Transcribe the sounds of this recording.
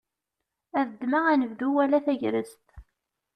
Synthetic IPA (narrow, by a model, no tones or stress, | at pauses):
æðəd̪ːmaʁænəvd̪uwælæθæʝɾə̰st̪